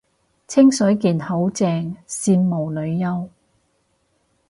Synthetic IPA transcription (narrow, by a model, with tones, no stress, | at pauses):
t͡sʰɪ˥ŋsɵ˨˥jkiː˨˩nho˨˥wt͡sɛː˧ŋsiː˧nmo˨wlɵ˨˧ɥjɐ˥w